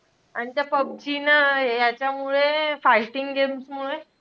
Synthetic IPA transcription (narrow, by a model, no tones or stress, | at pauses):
aɽ̃it̪japəb̚d͡ʑinəjat͡ɕjamuɭefaiʈiŋɡɡemsmuɭe